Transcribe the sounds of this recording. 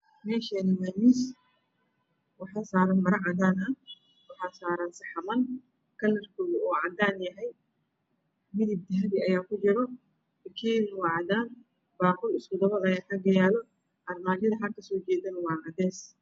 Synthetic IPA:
mɛːʃɛnɐwɛːmɪs | wɑħɑːsaːɾɐnmɐɾɐʕɑd̪aːnɐ | wɑħɑːsaːɾɐnsɐħɑmɐn | kʰɐlːɐrkʰɔːɣɐuːʕɑd̪aːnjɐɦɛj | mɪðib̚d̪ɐɦɐβɪɐjaːkʰʊt͡ʃɪɾɔ | ɐkʰiːnwɑːʕɑd̪aːn | baːqʊlɪskʊd̪ɐβɐlɐjaːk̪ʰɐɡɐjaːlɔ | ʔɐrmaːd͡ʒɪðɐɦɐlkʰɐsɔːt͡ʃɛːd̪ɐnwɑːʔɑd̪ɛːs

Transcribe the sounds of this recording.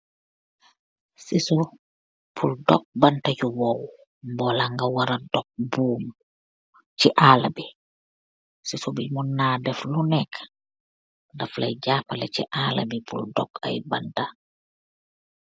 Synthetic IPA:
sisɔ | pʰuldɔ̰k̚bantad͡ʒuwɔw | mbɔlaŋɡawaɾadɔk̚buːm | t͡ʃiʔalabɛ | sisɔbimunːadɛflunɛkḁ | daflajd͡ʒaːpalɛt͡ʃɛ̰ʔala̰bipʰṵldɔ̰ka̰jbanta

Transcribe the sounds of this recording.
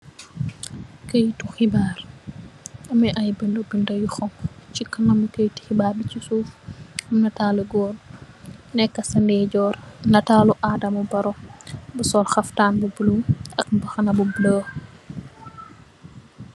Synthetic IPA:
kəjtuxibaːɾ | ʔɐmɛʔɐjbəndobindɐjuxɔŋt͡ʃikɐnɐmukɛjti̥xibaːɾbicisuːfɐmnɐtaːluɡɔːɾ | nɛkːɐsɐndɛːɟɔːɾnɐtaːluʔaːdɐmɐbɐɾɔbusɔlxɐftaːnbubulumʔɐk̚bɐxɐnɐbubləː

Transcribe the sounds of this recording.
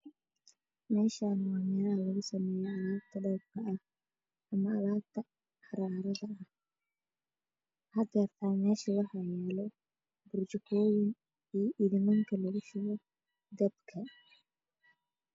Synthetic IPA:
mɛːʃanaːmɪjaɐlɐɣʊsɐmɛːjɛɐðaːb̚t̪ʰɐɖɐb̚kʰɐʔɐh | ɐmɐɐðaːb̚t̪ʰɐ | ħɑɾaːɾɐðɐɐh | hɐd̪ɡɐrt̪ʰaːnmɛːʃɐwɑħɑjɛːlɔ | bʊrt͡ʃɪkʰɔːjɪŋ | iːʔɪðɪmɐŋkʰɐlɐɣʊʃʊɣɔ | d̪ɐbkʰɐ

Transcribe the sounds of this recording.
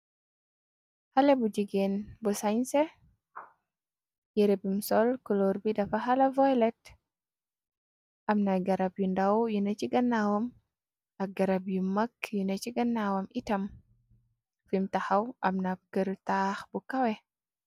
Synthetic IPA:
halebud͡ʒiɡenbusaɲse | jɛɾepimsɔlkɔloɾbidɐfaɦalavɔjlɛt | ʔɐmnaɡaɾabjundawjunet͡ʃiɡɐnːawɐm | ɐɡɐɾab̬jumakjunet͡ʃiɡɐnːawɐmitɐm | fimtaxawʔamnakəɾtaxbukɐwɛ

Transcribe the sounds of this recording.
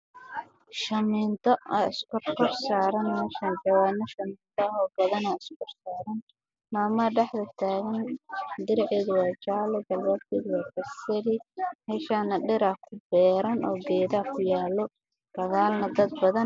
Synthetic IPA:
ʃɐmiːnt̪ʰɔɐɪskʊrkʊrsaːɾɐnmɛːʃɐnd͡ʒɐwaːnɐʃɐmiːnt̪ʰɔɐɦɔːbɐðɐnɐɪskʊrsaːɾɐn | naːmɐɖɛħðɐt̪ʰaːɣɐnd̪ɪɾʕɛːðʊwɑːt͡ʃaːlɛɡɐlwɛːd̪̚kʰɛːðʊwɑːfɐsɐlɪmɛːʃaːnɐɖɪɾɐhkʰʊbɛːɾɐnɔːɡɛːðakʰʊjaːlɔ | ɡ̥ɐɣaːlnɐd̪ɐd̪̚bɐðɐn

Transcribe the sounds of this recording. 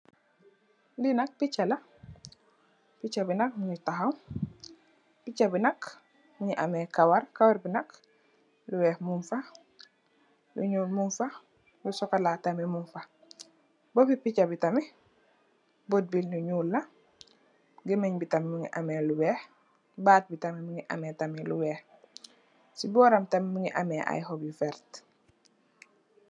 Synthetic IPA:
linak̚pit͡ʃala | pit͡ʃabinak̚muɲitaɦawm | pit͡ʃabinak | muɲiʔamekawaɾkawaɾbinak | luwɛːhmuɱfa | lṵɲuːlmuɱfa | lusɔkalatamimuɱfa | bopipicabitami | bot̚bilnuɲuːlːɐ | ɡimeɲbitamimuŋḭʔameluwɛːh | baːt̚bitamimuŋiʔa̰metamiluwɛːh | sibɔːɾamtamimuŋiʔa̰meʔa̰jhobjufɛɾt

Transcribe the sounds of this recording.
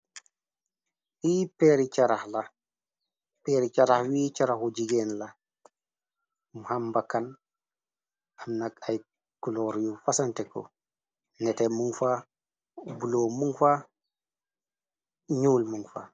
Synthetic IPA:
wiːpɛɾit͡ʃaɾahla | peɾit͡ʃaɾahwiːt͡ʃaɾahud͡ʒiɡɛːnla | muhambakːan | amnakaj | kulɔɾjufasantɛkɔ̰ | nɛtɛmuŋfa | bulomuŋfa | ɲuːlmuŋfa̰

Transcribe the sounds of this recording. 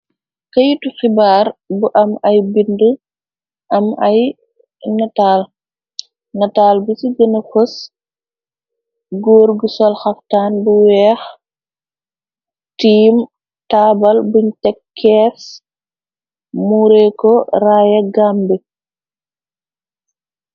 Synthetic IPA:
kɐjutuxibaːɾbuʔɐmɐjbində | ʔɐmaj | nataːl | nɐtaːlbusiɡənɐfus | ɡoːɾɡusɔlxɐftaːnbuwɛːx | tiːm | taːbɐlbuɲtɛkʰːɛːs | muːɾɛkɔraːjɐɡaːmbɛ

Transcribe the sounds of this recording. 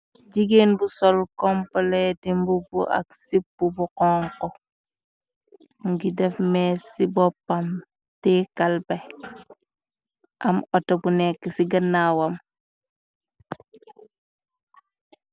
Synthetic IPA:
ɟiɡenbusɔlkɔmpɔlɛtimbubṵʔa̰ksipːubuqɔŋkɔ | ŋɡidɛfmɛsibɔpːam | tɛkalbɛ | ʔamɔtɔbunɛkːɛsiɡɐnːawam

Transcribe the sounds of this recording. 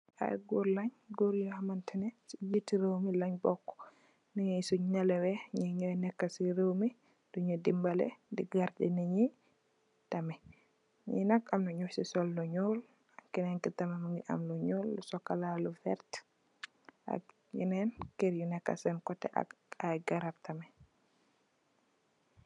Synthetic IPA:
ʔa̰jɡɔɾlaɲɡoɾjɔhamantʰɛnɛsijitiɾewmilaɲbɔkːɔ̥ | niɲɛsɔɲalɛwɛɲɛɲɛwɛnɛkːasiɾewmi | dɔɲɔdimbalɛ̰diɡaɾdɛniɲi | tamɛ | ɲḭnakamlɔɲosɛsɔlːɔɲol | kɛnɛnkɛtamɛmaŋɡɛʔa̰mlɔɲolːɔsɔkalalɔfɛ̰ɾt | ʔa̰ | jɛ̰nɛnkeɾjunɛkːa̰sɛnkɔtɛ̰ʔa̰ajɡaɾaptamɛ

